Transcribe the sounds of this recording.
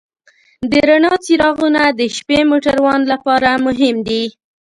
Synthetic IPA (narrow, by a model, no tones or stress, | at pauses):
d̪əɾanɑt͡siɾɑɣunad̪əʃpemoʈaɾwɑnlapɑɾamʊɦɪmd̪i